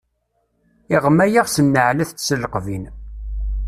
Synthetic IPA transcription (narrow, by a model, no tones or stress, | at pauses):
ɪʁmæjaʁsənːəʕlæθt͡sːsəlqvin